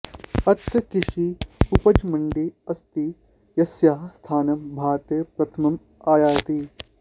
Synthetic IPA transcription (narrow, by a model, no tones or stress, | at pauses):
ɐt̪ːɐkɪʃiupɐd͡ʒmɐɳɖiɐst̪i | jɐsjaːst̪ʰaːnɐmbʱaːɾt̪eːpɾɐt̪ʰɐmɐm | aːjaːt̪iː